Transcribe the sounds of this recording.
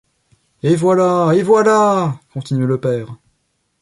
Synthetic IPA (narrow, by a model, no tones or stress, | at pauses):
evwalaevwalakɔ̃t̪inɥɛləpɛːʁ